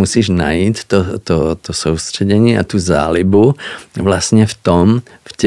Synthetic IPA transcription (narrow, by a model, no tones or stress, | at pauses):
usiːʒna̰jiːct̪ɔt̪ɔt̪ɔsuʊst̪rɛɟɛɲɪɛa̰t̪uza̰ːlibuʋlasɲɛft̪ɔm | fc